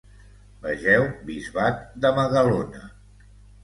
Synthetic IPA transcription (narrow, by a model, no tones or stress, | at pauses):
bəʒɛwbizβat̪̚d̪əməðəlonə